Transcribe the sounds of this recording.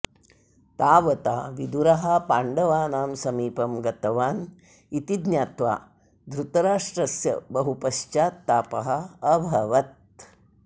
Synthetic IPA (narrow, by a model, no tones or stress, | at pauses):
t̪aːʋɐt̪aːʋid̪uɾɐɦɐpaːɳɖɐʋaːnaːmsɐmiːpɐmɡɐt̪ɐʋaːn | it̪id̪njaːt̪ʋa̰ː | d̪ɾut̪ɐɾaːʂʈɾɐsjɐ̰bɐɦupɐʃt͡ʃaːt̪ːaːpɐɦɐ̆ːbʱɐʋɐt̪̚